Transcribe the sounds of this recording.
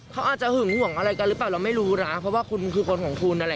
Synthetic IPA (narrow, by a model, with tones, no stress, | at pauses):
kʰa˦˥wʔaː˨˩t̪̚t͡ɕa˨hɯ˨˩˦ŋhu˨˩˦əŋʔa˧ɾa˧jka˧ɾɯː˦˥p̬aː˨˩wla˧wma˥˩jɾuː˦˧ɾaː˦˥pʰɾɔ˦˥waː˥˩kʰu˧nkʰɯː˧kʰo˧nkʰɔː˩˦ŋkʰu˧nʔa˧a˧